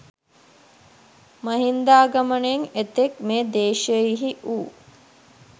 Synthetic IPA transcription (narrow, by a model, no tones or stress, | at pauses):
mɐɦind̪aːɡɐməɳəeŋet̪ekmeːd̪eːʃəjiɦiʔuː